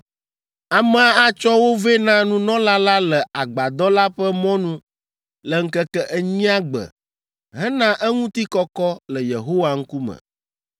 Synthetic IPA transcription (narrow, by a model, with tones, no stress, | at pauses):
a˨mɛ˨a˦a˦t͡ʃɔ˦wo˦ve˦nã˦nũ˦nɔ̃˦la˦la˦lɛ˨a˨ɡ͡ba˨d̪ɔ˦la˦ɸɛ˦mɔ̃˦nũ˦ | lə˨ŋ̩˦kɛ˦kɛ˦ʔɛ˦ɲĩ˦a˦ɡ͡bə̰˨ | ɦɛ̃˦nã˦ʔɛ˦ŋũ˦t̪i˦kɔ˦kɔ˦lə˨jḛ˨ɦo˦wa˨ŋ̩˦ku˦mə̰˨